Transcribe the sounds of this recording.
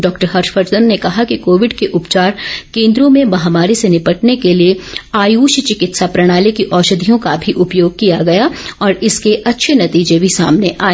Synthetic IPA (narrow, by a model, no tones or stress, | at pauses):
ɖɔːkʈəɾɦɐɾʃfʰəɾt͡ʃd̪ənːekɐɦakikoːʋɪɖkeʔʊpt͡ʃaːɾkẽːnd̪ɾõmẽmɐɦamaːɾisenɪpɐʈnekelieaːjuːʃt͡ʃɪkɪt̪sapɾɐɽ̃aːlikiʔɔːʃəd̪ʱijõkabʱiʔʊpjoːɡ̚kijaɡɐjaɔːɾɪskeʔɐtːʃʰenɐt̪iːd͡ʒebʱisaːmneʔaːe